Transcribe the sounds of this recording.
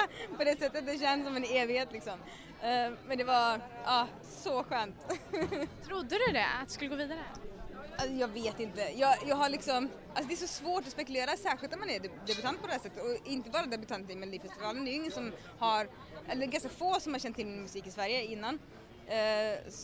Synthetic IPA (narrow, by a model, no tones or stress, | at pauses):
pɔd̪ɛsɛt̪ːət̪̚d̪ɛɕɛnsɔmɛneːvɪheːt̪lɪksɔm | mɛnd̪ɛvaʔɑː | sɔɧøːmnt̪ | t̪ʰɾʊd̪ːəd̪ɵd̪ɛ̰a̰t̪̚d̪ɵ̥skɵləɡoːviːd̪aɾə | asɔjɑːɡveːt̪ɪnt̪əjɑːjɑːɡɦaɭɪksɔm | ʔalsɔd̪ɛʂɔsvoːʈɔspɛkʉleːɾasæːɾɧɪlt̪amanæd̪ɛbʉt̪ʰant̪̚pʰɔd̪ɛhæːʂsɛt̪ːət̪ɔɪnt̪əbɑːɾad̪ɛbɵt̪ʰant̪ɪmɛld̪iːfɛst̪ɪvɑːlənd̪ɛjɪŋːənsɔm | haɾ | ʔɛlːəɾɡanskafoːsɔmhaɾʂɕɛnt̪ʰːɪlmɪnmʉsiːkɪsvæɾjəɪnːan